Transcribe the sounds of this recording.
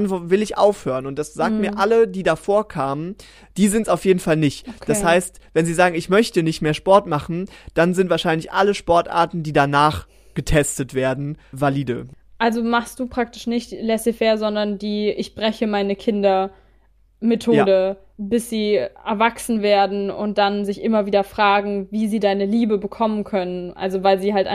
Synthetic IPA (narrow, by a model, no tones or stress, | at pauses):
nvɪlɪçʔa̰ʊfhøːʁənʊnt̚d̥asz̥aːk̚tmiːɐʔalədiːdafoːɐkʰaːmən | d̥iːzɪntsaʊfjeːdn̩falnɪçtd̥ashaɪstvɛnziːzaːɡŋ̩ɪçmœçtənɪçtmeːɐʃpɔɐtmaχn̩d̥anzɪntv̥aːʃaɪnlɪçʔaləʃpɔɐtʔa̰ːɐtn̩diːdanaːχ | ɡ̥ətʰɛstətv̥eːɐdn̩valiːdə̰ | ʔalzomaχst̚d̥uːpʁ̥ak̚tɪ̥ʃnɪçtlɛsifɛːɐzɔndɐndiːʔɪçb̥ʁɛçəmaɪnəkʰɪndɐ | metʰoːdə | bɪsz̥iːʔɛɐvaksn̩veːɐdn̩ʊ̰nt̚d̥anzɪçʔɪmɐviːdɐfʁ̥aːɡŋ̩viːziːdaɪnəliːbəbəkʰɔmənkʰœnənʔa̰lzovaɪlziːɦaltʔa̰